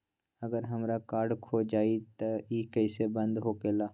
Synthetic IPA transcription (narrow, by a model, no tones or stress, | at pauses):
əɡəɾɦɐmɾakaːɾɖkʰoːd͡ʒaːit̪ɐiːkəɪsebə̃nd̪ɦokeːlaː